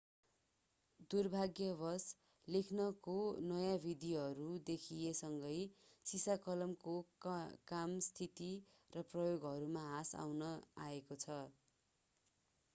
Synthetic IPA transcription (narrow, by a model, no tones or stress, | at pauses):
d̪urbʱaɡjʌbʱʌs | lekʰnʌkonʌjãbʱid̪iɦʌɾud̪ekʰijesʌŋɡʌjsisakʌlʌmkokamst̪ʰit̪i | rʌprʌjoɡɦʌɾumaɦasa̰wnʌaekot͡sʰʌ